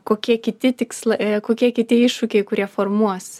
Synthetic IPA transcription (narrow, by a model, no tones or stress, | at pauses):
koːkʲiɛkʲɪt̪ʲɪt̪ʲɪkslˠɐkoːkʲiɛkʲɪt̪ʲiɛɪʃʃʊkʲɛɪkʊɾʲiɛfoːrmuɔs